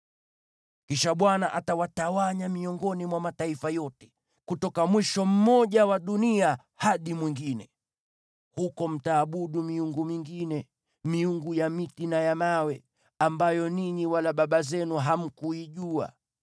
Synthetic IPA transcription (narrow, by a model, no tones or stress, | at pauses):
kiʃaɓwanaʔatawatawaɲamiɔŋɡɔnimwamataifajɔtɛ̥ | kutɔkamwiʃɔm̩mɔʄawaɗunia | haɗimwiŋɡinɛ | hukɔm̩taːɓuɗumiuŋɡumiŋɡinɛ | miuŋɡujamitinajamawɛ | ambajɔniɲiwalaɓaɓazɛnuɦam̩kuiʄua̰